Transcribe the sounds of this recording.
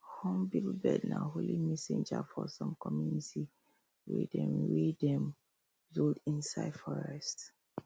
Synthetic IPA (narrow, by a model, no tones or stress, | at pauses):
hɔ̃mbilbɛdnaɦolimɛsẽnd͡ʒafɔsɔ̃mkɔmjuniti | wedɛ̃mɹedɛ̃m | zoldĩnsaɪdfɔɹɛst